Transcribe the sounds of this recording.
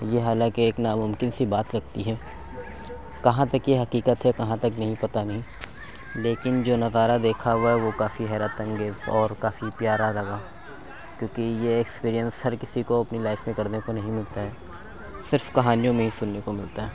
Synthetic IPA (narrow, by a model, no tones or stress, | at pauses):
jeɦaːlãːkeːknamʊ̃mkɪnsibaːt̪ɾɐkʰt̪iɦɛː | kɐɦãt̪ɐkjeɦɐqiːkət̪ɦɛkɐɦãt̪ɐknɐɦĩpɐt̪anɐɦĩ | leːkɪnd͡ʒoːnɐzaːɾad̪eːkʰaɦɛʋokaːfiɦɛːɾət̪ɐ̃ŋɡezɔːɾkaːfipjaːɾalɐɡaː | kjõːkijeːkspiːɾijə̃nsɦɐɾkɪsikoɐpnilaːɪfmẽkɐɾnekonɐɦĩmɪlt̪aɦɛː | sɪɾfkɐɦaːnijõmẽɦisʊnːekomɪlt̪aɦɛː